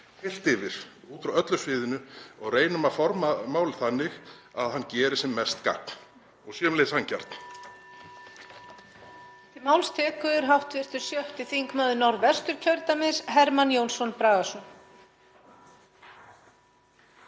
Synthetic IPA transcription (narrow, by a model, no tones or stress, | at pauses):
fɪl̥t̪ɪvɪɾ̥ | uːt̪ɾaœt̪lʏ̥sfɪːðɪnʏɔɣreːjnʏmaðfɔɾmamaːwlɪθanːɪxa̰ðɦanːcɛːɾɪ̥sɛmːɛst̪ka̰kn̥ | ɔɣsjɛmlejshanca̰ɾ̥t̪n̥ | t̪ɪmawlst̪ʰɛːkʏðɪɾɦaft̪vɪr̥t̪ʏɾ̥sjœht̪ɪθiŋkmaːðʏnaɾvɛst̪ʏɾ̥cʰœɾt̪amɪsɦɛɾmanjoːwnsɔnpɾaːɣasɔn